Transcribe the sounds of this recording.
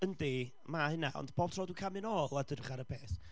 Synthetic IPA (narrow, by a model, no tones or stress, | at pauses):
əndi | mahɪnaɔ̰ndb̥oːb̥̚tʰrɔːdukʰamɪnɔːlˠadərχaɾəpʰeːθ